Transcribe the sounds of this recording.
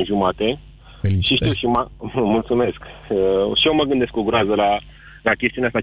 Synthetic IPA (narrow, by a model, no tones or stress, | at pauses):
nʒumat̪e̞ | ʃiʃt̪iwʃimamult̪sume̞skəʃioməɡɨnd̪e̞skoɡɾazəla | lakʲest̪iuneast̪a